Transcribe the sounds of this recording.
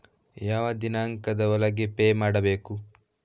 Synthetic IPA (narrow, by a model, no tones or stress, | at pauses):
jaːʋɐd̪inaːŋkɐd̪ɐɐlɐɡepeːmaːɽɐbeːku